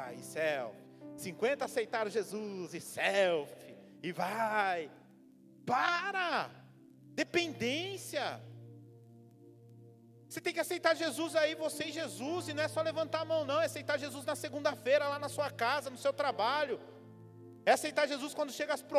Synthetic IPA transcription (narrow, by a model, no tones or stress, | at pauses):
jɪ̰sɛwfɪsĩŋkwẽnt̪ɐasejt̪aɾʒezuzɪsɛwfɪ | ɪvaj | paɾɐ | d̪epẽnd̪ẽsiɐ | oset̪ẽj̃kɪasejt̪aɾʒezuzaivoseɪʒezuzɪnɐ̃w̃ɛsɔlevɐ̃nt̪aɾamɐ̃w̃nɐ̃w̃ɛasejt̪aɾʒezuznɐseɡũnd̪ɐfejɾɐlanɐsuɐkazɐnʊsewt̪ɾabaʎʊ | ɛasejt̪aɾʒezuskwɐ̃nd̪ʊʃeɡɐaspɾo